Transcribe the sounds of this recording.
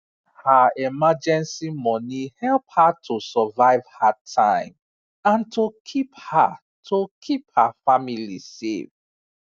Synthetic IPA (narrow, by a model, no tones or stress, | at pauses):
haɛmad͡ʒɛ̃nsimɔnihɛlˠphatʰosəvaɪvhatʰãɪ̃m | ãntʰokʰipha̰ | tʰokʰiphafamilḭsḛv